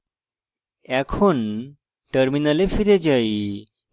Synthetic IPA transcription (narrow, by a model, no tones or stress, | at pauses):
ɛkʰon | ʈəɾminalefiɾed͡ʑaj